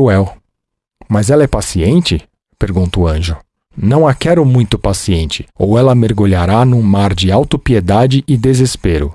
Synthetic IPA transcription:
uɛw | mazɛlɐɛpasiẽnt͡ʃɪ | peɾɡũnt̪ʊɐ̃ʒʊ | nɐ̃w̃akɛɾʊmũj̃t̪ʊpasiẽnt͡ʃɪ̥owɛlɐmeɾɡuʎaɾanũmaɾd͡ʒɪawt̪ʊpied̪ad͡ʒɪʔɪd̪ezespeɾʊ̰

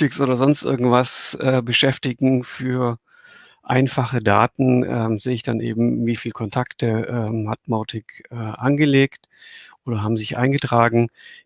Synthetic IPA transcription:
ɪksʔoːdɐzɔnstʔɪ̰ɐɡŋ̩tv̥asʔɛːbəʃɛftɪɡŋ̩fyːɐ | ʔa̰ɪnfaχəda̰ːtn̩ʔɛ̰ːmzeːəɪçd̥anʔḛːbm̩viːfiːlkʰɔntʰaktəʔɛːmhatmaʊtʰɪkʔɛːʔanɡəleːkt | ʔoːdɐɦaːbm̩zɪçʔa̰ɪnɡətʁ̥aːɡŋ̩

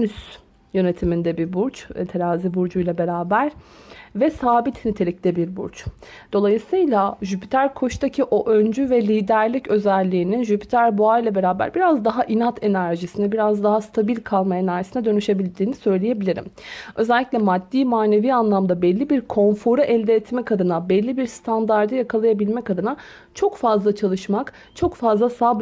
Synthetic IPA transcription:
nys | jø̞ne̞t̪ʰimind̪ɛbibuɾt͡ʃt̪ʰeɾaːzibuɾd͡ʒujlˠabe̞ɾaːbæɾ̥vɛsaːbit̪ʰnit̪ʰelʲic̚ʲlʲɛbiɾbuɾt͡ʃd̪̥o̞lˠajɯsɯjlˠaʒypʰi̥t̪ʰæɾkʰo̞ʃt̪ʰacʰiʔo̞ʔønd͡ʒyvɛlʲiːd̪æɾlʲicø̞zɛlʲːiːninʒypʰi̥t̪ʰæɾbuajlʲˠabe̞ɾaːbæ̰ɾbiɾazd̪aɦaʔinat̪ʰenæɾʒisinɛbiɾazd̪aɦast̪ʰabilʲkʰalˠmaenæɾʒisinɛd̪ø̞nyʃe̞bilʲd̪iːnisø̞jlʲeje̞bilʲiɾḭmø̞zɛlʲːicʲlʲɛmad̪ːiːmaːne̞viːanlˠamd̪abɛlʲːibiɾkʰo̞nfo̞ɾaʔɛlʲd̪ɛːt̪mɛkʰad̪ɯnabɛlʲːibiɾst̪ʰand̪aɾd̪ɯjakʰalˠajabilʲmɛkad̪ɯna | t͡ʃʰo̞kfazlˠat͡ʃʰalˠɯʃmak | t͡ʃʰo̞kfazlˠasaːb

